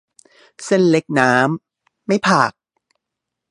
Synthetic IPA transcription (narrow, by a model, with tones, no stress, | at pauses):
se˧˩nle˦˥k̚naː˦˥mː | a˥˩jpʰaː˨˩k̚